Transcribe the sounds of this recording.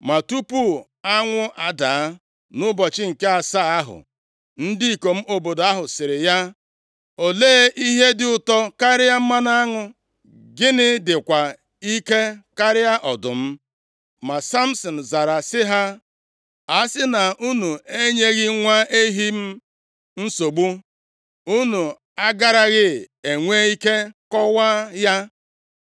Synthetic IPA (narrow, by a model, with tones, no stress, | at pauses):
ma˨tu˦pu˦ | a˦ŋʷʊ˦ʔa˨da˨˦ | nʊ˦bɔ˨t͡ʃɪ˦ŋ̩˨ke˦a˨sa˦a˦ɦʊ̰˨ | n̩˦dɪ˦i˨ko˨m̩˦ʔo˨bo˨da˦ɦʊ˨sɪ˨ɾɪ˨ja˦ | o˨leː˦ʔi˦ɦe˦dɪ˦ʊ˨tɔ˦ka˦ɾɪ˦a˦m̩˦ma˦na˦ŋʊ˨ | ɡɪ˦nɪ˦dɪ˨kʷa˨ | i˦ke˦ka˦ɾɪ˦a˦ʔɔ˨dʊ˨m̩˦ | ma˨sa˦m̩˦sɔ˨n̩˨za˨ɾa˨sɪ˦ɦa˦ | a˨˦sɪ˦na˨u˦nu˨e˦ɲe˦ɣɪ˦ŋʷa˦ʔe˦ɦi˦m̩˦ | n̩˦so˨ɡ͡bu˦ | u˦nu˨ | a˦ɡa˦ɾa˨ɣɪ˦e˨ŋʷe˦i˦ke˦kɔ˦wa˦ja˦